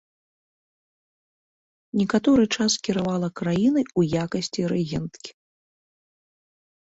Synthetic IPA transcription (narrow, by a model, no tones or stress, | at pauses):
nʲɛkat̪ɔɾɨt͡ʂaskʲiɾavalˠɐkɾajinɐjujakɐsʲt͡sʲiɾɛɣʲɛnt̪kʲi̥